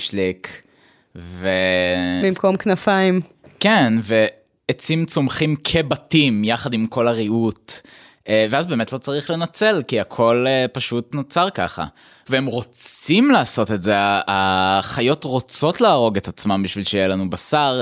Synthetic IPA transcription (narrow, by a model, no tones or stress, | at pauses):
ʃlik | vebimkomknafaim | kenve̞ | et͡simt͡somχimkʰe̞batimjaχadimko̞laʁiut | veazbe̞ːmetlo̞t͡saʁiχle̞nat͡se̞lkiakʰo̞lepaʃutnot͡saʁkaχa̰ | veemʁo̞t͡simlaːso̞tetzeaːχajo̞tʁo̞t͡so̞tlaːʁo̞ɡetat͡smambiʃvilʃejelanubasaʁ